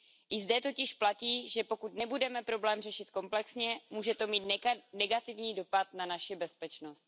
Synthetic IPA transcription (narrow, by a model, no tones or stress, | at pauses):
ʔɪzdɛt̪o̞cɪʃplaciːʒɛpo̞kut̪nɛbudɛmɛpɾo̞blɛːmrɛʃɪt̪ko̞mplɛksɲɛmuːʒɛt̪o̞miːt̪nɛɡat̪ɪvɲiːdo̞pat̪nanaʃɪbɛspɛt͡ʃno̞st̪̚